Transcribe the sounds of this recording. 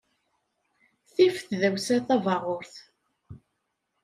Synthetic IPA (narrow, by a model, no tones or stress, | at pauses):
θifθðæwsæθɑvɑʁʊɾθ